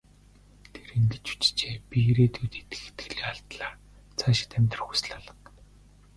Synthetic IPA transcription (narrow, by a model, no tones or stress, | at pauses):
t̪ʰeɾiŋɡɘ̆t͡ɕu̥t͡ɕt͡ɕeːpʲieɾeːt̪ʰuːt̪et̪ɘ̥̆xe̥t̪ɡɘ̆ɮeːaɮt̪ɮaːr | t͡sʰaːʃɪ̥̆t̪æmʲt̪rə̆χxu̥sɮaɮə̆q